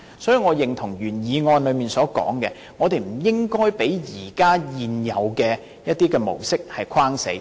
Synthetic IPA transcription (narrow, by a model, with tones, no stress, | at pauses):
sɔː˨˥jiː˧˩ŋɔː˨˧jɪ˨ŋt̪ʰʊ˨˩ŋjyː˨˩njiː˨˧ŋɔː˧nlɵ˨˧ɥmiː˨˩nsɔː˨˥kɔ̰ː˨˥ŋkɛː˧ | ŋɔː˨˧t̪e˨jm̩˨˩jɪ˥ŋkɔː˥jpe˨˥jjiː˨˩kaː˥jiː˨njɐ˨˧wkɛː˧ | jɐ˥t̚t̪iː˥kɛː˧mo̰˨˩wsɪ˥k̚hɐ˨jkʰaː˥ŋsḛ˨˥j